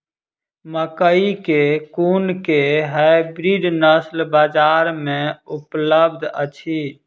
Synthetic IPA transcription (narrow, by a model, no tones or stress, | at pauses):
məkəikekuːnkeɦabɾiːɖnəslbaːd͡ʒaːɾmẽʊpləbd̪ʱə̰t͡ʃʰi